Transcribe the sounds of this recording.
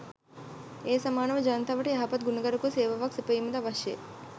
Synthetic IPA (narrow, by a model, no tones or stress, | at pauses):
eːsɐmaːnɐmɐd͡ʒɐːnt̪ʰɐʋɐʈiɐɦɐpɐt̪̚ɡunɐɡɐɾɐkuseːʋɐʋaksipɐjimɐd̪ɐʋɐʃjḛ